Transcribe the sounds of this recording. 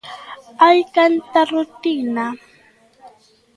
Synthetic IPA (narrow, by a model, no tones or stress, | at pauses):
ajkant̪aɾʊt̪ɪŋna